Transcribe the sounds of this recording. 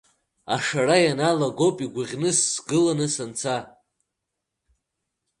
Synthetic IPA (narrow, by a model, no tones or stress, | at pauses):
a̰ʂarajanalaɡo̞pʼiɡʷaʁʲnɨsːɡɨlanɨsant͡sʰa